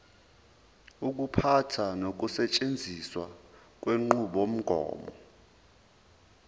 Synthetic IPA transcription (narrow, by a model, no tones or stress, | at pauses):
uk̬upʰatʰanok̬usɛt͡ʃʼend͡zʱiswa | k̬ʼweŋ͡ǃuɓom̩ɡ̥ʱɔ̰ːmɔ̰